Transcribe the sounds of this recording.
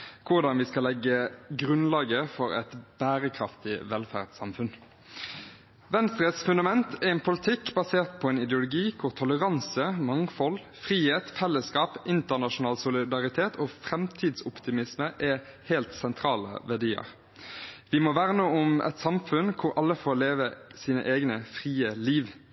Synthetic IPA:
kʰʊʁd̪ɑnʋɪskɑlɛɡːəɡɾʉnlɑːɡəfɔɾɛ̰t̪b̥æːʁəkʰɾɑft̪ɪʋɛlfæ̰ːʁt̪sɑmfʉn | ʋɛnst̪ʁəsfʉnd̪ɑmɛnt̪ʰɛɛnpʰʊlɪt̪ʰɪkːbɑseːʁt̪̚pʰɔɛːnɪd̪ɛʊlʊɡiːkʰʊʁt̪ʰɔləʁɑnsəmɑŋfɔl | fʁiːheːt̪fɛlːəskɑːpʔɪnt̪əʁnɑʂʊnɑːlsʊlɪd̪ɑʁɪt̪ʰeːt̪ʰoːfʁɛmt̪ʰiːd̪sʊpt̪ɪmɪsməʔɛheːlt̪sɛnt̪ʰɾɑːlə̰ʋæɖiːə̰ʁ | ʋɪmɔʋæʁnəʊmʔɛ̰t̪sɑmfʉnkʰʊɾɑlːəfoːleːʋəsiːnə̰ʔeːɡnəfʁiːəliːʋ

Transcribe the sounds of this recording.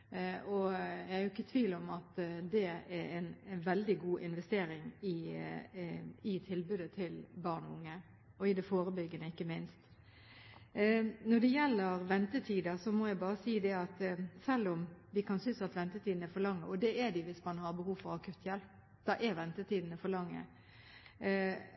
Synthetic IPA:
ɔjæɪhæɾjʊɪkːət̪ʰʋiːlɔmɑt̪d̪ɛɛɾɛnʋɛld̪ɪɡuːʔɪnʋɛst̪eːɾɪŋɪ | ɪt̪ʰɪlbʉːd̪ət̪ʰɪlbɑɾnɔʊŋːə | ɔɪd̪ɛfoːɾəbʏɡːənəɪkːəmɪnst̪ | nɔɖ̪ɛjɛlːəɾʋɛnt̪ət̪ʰiːd̪ɑsɔmɔjæɪbɑːɾəsiːd̪ɛɑt̪sɛlːʊmʋɪkʰɑnsʏnsɑt̪ʋɛnt̪ət̪ʰiːd̪n̩ɛɾfɔɾlɑŋːəɔd̪ɛɛd̪ɪʋɪsmɑnhɑɾbəhuːfɔɾɑkʉt̪ːjɛlp̚ | d̪̥ɑʔɛɾʋɛnt̪ət̪ʰiːd̪n̩əfɔɾlɑŋːə̰

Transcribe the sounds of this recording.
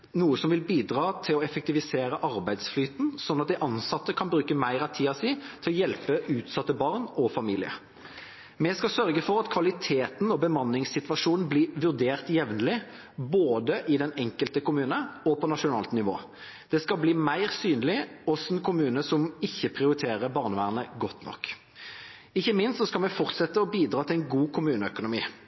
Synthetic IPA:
nuːəsɔmʋɪlbiːd̪ʁɑːt̪ʰɪlɔɛfɛk̚t̪ɪʋɪseːɾəʔɑɾbæɪd̪sflyːt̪n̩sɔnːɑt̪̚d̪ɪʔɑnsɑt̪ːəkʰɑnbɾʉːkəmæɪɾɑt̪ʰiːɑsiːt̪ʰɪlɔjɛlpəʉːt̪sɑt̪ːəbɑʁnɔfɑmiːlɪə̰ | mɛskɑsœɾɡəfɔɾɑt̪kʰʋɑlɪt̪ʰeːt̪nɔbəmɑnːɪŋsɪt̪ʋɑʂuːnn̩blɪːʋʉʁd̪eːʁt̪jɛʋnəlɪ | boːd̪əʔɪd̪ɛnɛŋkəlt̪əkʊmʉːnəɔpʰɔnɑʂʊnɑ̰ːlt̪nɪʋo̰ː | d̪̥ɛskɑlbliːmæɪʁsyːnlɪɔsɛnkʰʊmʉːnəsɔmɪçːəpʰʁɪʊɾɪt̪ʰeːʁəbɑːʁnəʋæːʁnəɡɔt̪ːnɔ̰kː | ɪçːəmɪnst̪sɔskɑlmɛfɔʁt̪sɛt̪ːəɔbiːd̪ʁɑːt̪ʰɪlɛɪnɡuːkʰʊmʉːnəœkʊnʊmḭː

